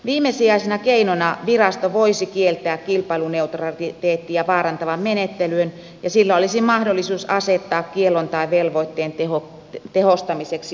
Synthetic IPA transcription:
ʋiːmːesiɑisenɑkeinonɑʋirɑst̪oʋoisikielt̪æːkkilpɑiluneut̪rɑit̪eːt̪ːijɑʋɑːɾɑnt̪ɑʋɑmmenet̪ːelyøn | jɑsilːæolisimɑhdolːisuːsɑset̪ːɑːkkielːont̪ɑiʋelʋoit̪ːeːnt̪eho | t̪ehost̪ɑmiseksi

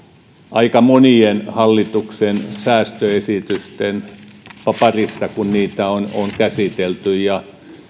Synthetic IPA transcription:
ʔɑikɑmonienhɑlːit̪uksensæːst̪øesit̪yst̪enpɑpɑrisːɑkunniːt̪æono̰ŋkæsit̪elt̪yjjɑ

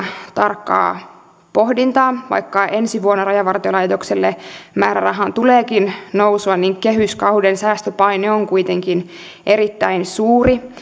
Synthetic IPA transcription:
t̪ɑrkːɑ̰ː | po̞hdint̪ɑːʋɑ̰jkːɑʔensiʋuonːorɑjɑʋɑrt̪iolɑjt̪okselːemæːɾæ̰rɑɦɑnt̪uleːkinnowsuɑnniŋkeɦyskɑwdensæːst̪øpɑjneoŋkuit̪eŋkin | ʔeɾit̪ːæinsuːri

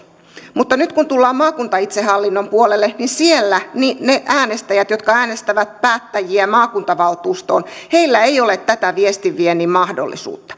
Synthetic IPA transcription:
mut̪ːɑnyt̪kunt̪ulːɑːmmɑːkunt̪ɑit̪sehɑlːinːo̞mpuolelːeninsielːænineʔæːnest̪æjæt̪jot̪kɑæːnest̪æʋæt̪̚pæːt̪ːæjiæmɑːkunt̪ɑʋɑlt̪uːst̪oːnhe̞ilːæeijo̞let̪t̪ːæt̪æʋiest̪iʋienimɑhdo̰lːḭsṵːt̪ːɑ̥

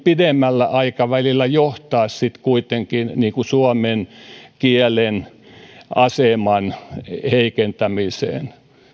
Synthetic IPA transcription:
pidemːælːæʔɑikɑʋælilːˑæjoht̪ɑːssit̪kuit̪eŋkinniːkusuɔmenkielen | ɑsemɑnheikent̪æmisḛːˑn

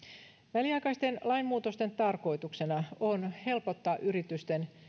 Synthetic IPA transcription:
ʋæliɑjkɑist̪enlɑimmuːt̪ost̪e̞nt̪ɑrko̞it̪uksenɑonhe̞lpo̞t̪ːɑːʔyɾit̪yst̪en

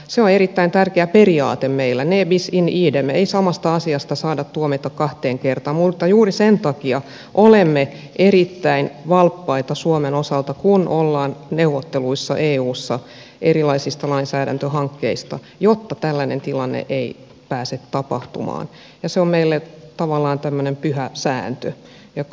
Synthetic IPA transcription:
seoneɾit̪ːæint̪ærkeæperiɑːt̪emmeilːæneːbisiniːdemeisɑmɑst̪ɑɑsiɑst̪ɑsɑːdɑt̪t̪ːuomit̪ɑkkɑht̪eːŋkert̪ɑmmut̪ːɑjuːrisent̪ɑkiɑ | ʔolemːe | ʔeɾit̪ːæinʋɑlpːɑit̪ɑsuomenosɑlt̪ɑkunʔolːɑːnneuʋːot̪ːeluisːɑ̰ʔeːuːsːɑ | ʔeɾilɑisist̪ɑlɑinsæːɾæ̰nt̪øɦɑŋkːeist̪ɑ̰ | jot̪ːɑt̪ælːænent̪ilɑnːḛʔei | pæːset̪tɑpɑ̰ht̪ṵmɑ̰ːn | jɑseommeilːet̪ɑʋɑlːɑːnt̪æmːønempyhæsæ̰ːnt̪ø | jɑ

